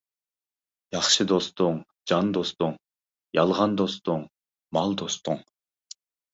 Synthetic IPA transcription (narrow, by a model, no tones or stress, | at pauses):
jɑχʃɨd̪o̞st̪oɴ | d͡ʒɑnd̪o̞st̪uɴ | jɑlˠʁɑnd̪o̞st̪oɴ | mɑlˠd̪o̞st̪uɴ